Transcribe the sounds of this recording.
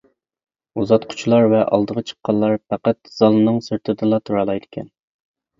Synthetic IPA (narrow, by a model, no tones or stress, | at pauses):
uzɑt̪qʰʊ̥t͡ʃʰulˠɑɾvɛʔɑ̰lˠd̪əʁət͡ʃʰə̥qːɑlˠːɑɾpʰæqæt̪̚z̥ɑlˠɨnɨŋsyɾt̪ʰɪd̪ɨlˠɑt̪ʰuɾɑlˠɑjd̪ɪkʲʰɛ̰n